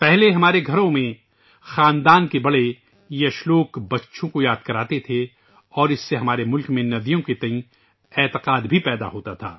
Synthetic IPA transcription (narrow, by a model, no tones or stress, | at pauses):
pɛɦleɦɐmaːɾeɡʱɐɾõmẽ | xaːnd̪aːnkebɐɽe | jɐʃloːkbɐtːʃʰõkojaːd̪kɐɾaːt̪et̪ʰe | ɔːɾɪsːeɦɐmaːɾemʊlkmẽnɐd̪ijõket̪ɐĩ | ɛːt̪ɪqaːd̪bʱipɛːd̪a̰ɦoːt̪at̪ʰa̰ː